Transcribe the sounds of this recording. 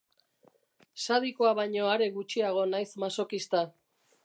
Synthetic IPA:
saðikoaβajɲo̞aɾe̞ɣut͡ʃiaɣ̞o̞najsmaso̞kist̪a

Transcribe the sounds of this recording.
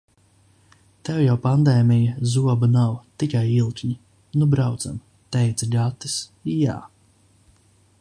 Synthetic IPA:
t̪ɛwjawpand̪ɛːmʲijɐzuɔbunawt̪ikajilˠt̪ʲɲi | nubɾawd̪za̰m | t̪ɛjt̪sɐʎʲat̪ːi̥sja̰ː

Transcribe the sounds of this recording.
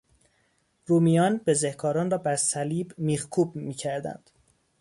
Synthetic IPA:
rumijɒːnbe̞zehkʰɒːɾɒːnrɒːbæɾsæliːbmiːɣkʰuːbmiːcʰæɾd̪æ̰nd̪̥

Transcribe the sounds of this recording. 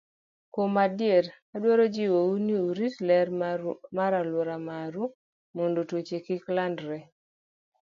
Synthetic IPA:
komadjeɾ | adwoɾod͡ʒiwouniuɾislɛɾmaɾalwɔɾamaɾu | mondotwot͡ʃekɪklandɾɛ

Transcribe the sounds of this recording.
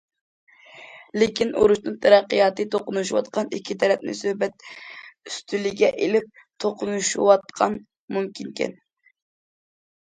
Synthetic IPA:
lɪkʲino̰ɾuʃnɨŋt̪ʰɛɾæqːəjɑːt̪ɨt̪ʰoqʊnuʃuwɑ̰t̪qʰɑnikʲʰːit̪ʰɛɾɛp̚nɪ̰søhbɛt̪̚yst̪ʰylɪɡʲɛʔelɪp̚t̪ʰoqʰʊnuʃwɑt̪̚qʰɑn | mumkʲʰinkʲɛ̰n

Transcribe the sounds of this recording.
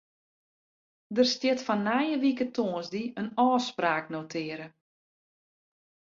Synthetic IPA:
dərstjɪtfanːajəʋikətʰoːnzdiənɔːspraːknotʰɪːɾə

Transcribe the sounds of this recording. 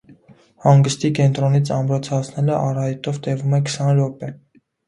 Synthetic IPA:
hɑŋɡəst̪ikɛnt̪ɾɔnit͡sʰɑmbɾɔt͡sʰɑt͡sʰnɛləʔɑrɑhɛt̪ɔvt̪ɛvumɛkʰə̥sɑnɾɔpɛ

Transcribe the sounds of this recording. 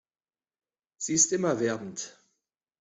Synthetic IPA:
z̥iːɪstʔɪmɐvɛɐbn̩t

